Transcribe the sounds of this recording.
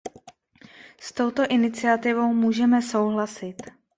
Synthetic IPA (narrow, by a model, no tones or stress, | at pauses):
st̪o̞wt̪o̞ʔɪnɪt͡sɪat̪ɪvo̞wmuːʒɛmɛso̞wɦlasɪt̪